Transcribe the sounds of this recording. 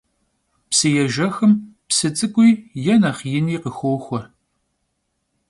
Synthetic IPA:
psɨjɛʒɐxɨmpsɨt͡sʼɨkʷʼʊjjɛnɐχjɪniːqəxʷoːxʷɔr

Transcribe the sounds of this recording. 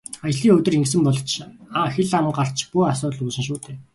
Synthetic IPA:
ajɮiːŋɵt̪ɵ̆reŋksɘ̆mpɔɮ̆ʰt͡ɕʰxeɮamə̆ɴɢar̥t͡ɕʰpuasʊːt̪ɮuːsɘ̆nʃ̬uːt̪ʰeː

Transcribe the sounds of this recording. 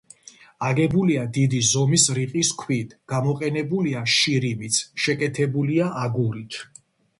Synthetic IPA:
aɡɛbuliad̪id̪izɔmisɾiqʼiskʰwit̪ʰɡ̥amɔqʼɛnɛbuliaʃiɾimit̪sʰʃɛkʼɛt̪ʰɛbuliaʔaɡuɾit̪ʰ

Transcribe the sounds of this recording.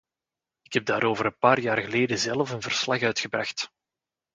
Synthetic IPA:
ɪkɦɛb̚daːɾoːvəɾənpaːrjaːrɣəleːdəzɛlˠfənvər̥slɑxœɥtxəbrɑxt

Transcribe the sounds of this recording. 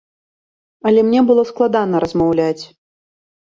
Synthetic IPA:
ɐlʲɛmnʲɛbɨlˠɔsklˠad̪anɐɾɐzmawlʲat͡sʲ

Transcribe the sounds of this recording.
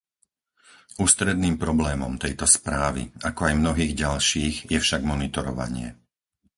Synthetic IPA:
uːst̪ɾɛd̪niːmpɾɔblɛːmɔmt̪ɛjt̪ɔspɾaːʋḭakɔajmnɔɦiːɣɟalʃiːɣjɛfʃaɡmɔnit̪ɔɾɔʋa̰ɲɪɛ̰

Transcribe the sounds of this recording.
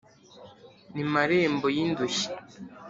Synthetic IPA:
nimaɾeːmbojinduʃi̥

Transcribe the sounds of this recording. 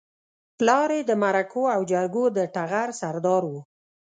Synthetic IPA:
plɑɾed̪əmaɾakoawd͡ʒaɾɡod̪əʈaɣaɾsaɾd̪ɑɾwu

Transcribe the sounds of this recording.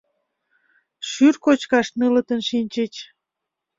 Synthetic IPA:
ʃyrkot͡ɕkɑʃnələ̆t̪ənʃinʲt͡ɕet͡ɕ

